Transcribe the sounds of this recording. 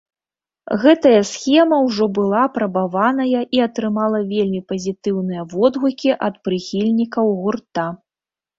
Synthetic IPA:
ɣɛt̪ɐjɐsʲxʲɛmɐwʐɔbɨlˠaːpɾɐbavanɐjɐʔiɐt̪ɾɨmalˠɐvʲelʲmʲipɐzʲit̪ɨwnɨjɐvɔd̪ɣukʲiʔɐt̪̚pɾɨxʲilʲnʲikɐwɣurt̪a

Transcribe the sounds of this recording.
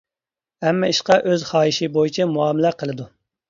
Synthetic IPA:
ɛmːɑiʃqɑʔøzχɑːiʃɪbojit͡ʃʰɛmuɑːmɪlæqʰəlˠɨd̪u

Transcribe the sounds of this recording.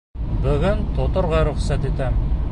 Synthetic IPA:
bɵɡɘnt̪ʰot̪ŏɾʁɑɾʊχsæt̪et̪æm

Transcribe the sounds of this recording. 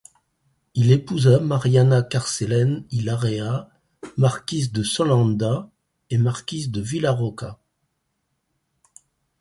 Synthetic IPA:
ilepuzamaʁjanakaʁselɛnilaʁea | maʁkʲizd̪əsɔlɑ̃d̪a | emaʁkʲizd̪əvilaʁɔka

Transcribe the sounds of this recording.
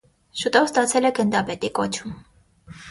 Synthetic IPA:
ʃut̪ɔvst̪ɑt͡sʰɛlɛɡənd̪ɑpɛt̪ikɔt͡ʃʰum

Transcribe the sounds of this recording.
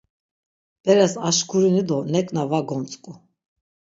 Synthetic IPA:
b̥ɛɾɛsaʃkʰuɾinid̪ɔnɛkʼnavaɡɔnt͡sʼkʼu

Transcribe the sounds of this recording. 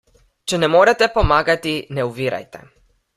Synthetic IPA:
t͡ʃɛnɛmɔɾɛt̪ɛpɔmaɡat̪inɛuviɾa̰jt̪ɛ̰

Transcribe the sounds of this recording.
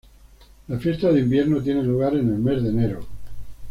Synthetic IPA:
lafjest̪aðeimbjeɾnot̪je̞neluɣaɾene̞lme̞zðene̞ɾo

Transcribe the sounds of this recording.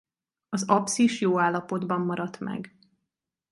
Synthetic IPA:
ɒzɒpsiʃjoːaːlːɒpo̞d̪bɒmːɒɾɒt̪mɛ̰ɡ

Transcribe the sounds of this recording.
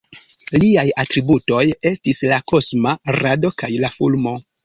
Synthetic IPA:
liajatɾibuto̞je̞stislako̞smaɾado̞kajlafulmo̞

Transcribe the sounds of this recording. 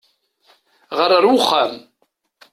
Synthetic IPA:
ʁəɾˤːəɾwʊχːæm

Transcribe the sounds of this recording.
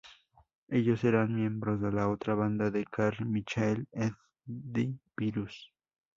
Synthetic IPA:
e̞ʎoseɾaŋmje̞mbɾozðelaot̪ɾaβand̪aðekaɾmit͡ʃaeleθ | d̪ibiɾus

